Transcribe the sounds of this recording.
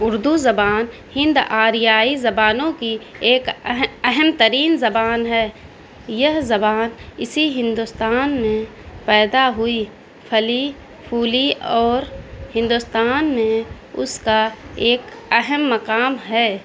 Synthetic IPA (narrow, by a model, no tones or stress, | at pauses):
ʊɾd̪uzɐbaːn | hɪ̃nd̪aːɾijaːizɐbaːnõkieːkɛɦəmt̪əɾiːnzɐbaːnɦɛː | jɐɦzɐbaːnɪsiɦɪ̃nd̪ʊst̪aːnmẽ | pɛːd̪aɦʊi | pʰɐli | pʰuːliɔːɾhɪ̃nd̪ʊst̪aːnmẽ | ʊ̰skaeːkɛɦəmːɐqaːmɦɛː